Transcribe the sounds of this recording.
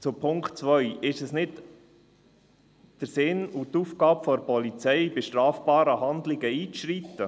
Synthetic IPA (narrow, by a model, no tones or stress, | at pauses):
t͡sʊpʰʊŋkχtt͡sʋœʏɪʃɛsnɪt | d̥əɾsɪnut̪ːuːfɡɑːbfɔɾpɔlit͡sɛɪbeʃtɾɑːfb̥ɑːɾəhɑnd̪lɪɡəiːt͡sʃɾit̪ːə